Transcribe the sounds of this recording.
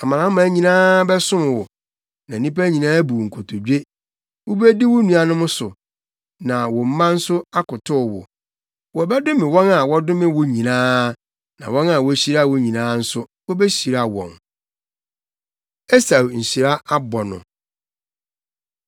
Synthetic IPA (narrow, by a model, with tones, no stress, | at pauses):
a˨mã˨ã˨˦m˦mã˨˦ɲĩ˨nãː˦bɛ˦sʊ̃˦m˨wʊ˨ | nã˨nĩ˦pa˦ɲĩ˨nãː˦bu˨ŋ̩˨kʰo˨tʰo˨d͡ʑᶣe˦ | wʊ˦be˦di˦wʊ˦nũ˨a˨nʊ̃˦mʊ̃˦sʊ˨ | nã˨wɔ˨m̩˦mã˦n̩˦sʊ˦a˦kʊ˨tʰʊ˦˨wʊ̰˨ | wɔ˨bɛ˦dʊ˦mɪ̃˨wɔ̃˦na˨wɔ˦dʊ˦mɪ̃˦wʊ˦ɲĩ˨nãː˦ | nã̰˨wɔ̃˦na˨wɔ˦æ˦ɕi˦ɾa˦˨wɔ˨ɲĩ˨nãː˦n̩˦sʊ˦wɔ˦bɛ˦ɕi˨ɾa˨wɔ̰̃˨n | e˦sa˨wɲ̩˨ɕi˨ɾa˦a˦bɔ˨nʊ̰̃˨